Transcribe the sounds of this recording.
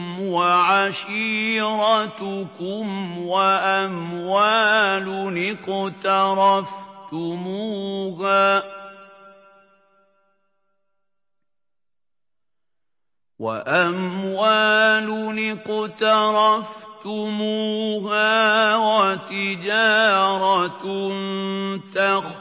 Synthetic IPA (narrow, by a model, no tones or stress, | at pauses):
mwaʕaʃiːɾɑt̪ʊkʊmwaʔamwaːlʊnɪqt̪ɑɾˤɑft̪ʊmuːɦaː | wa̰ʔamwaːlʊnɪqt̪ɑɾˤɑft̪ʊmuːɦaːwat̪ɪd͡ʒɑːɾˤɑnt̪ax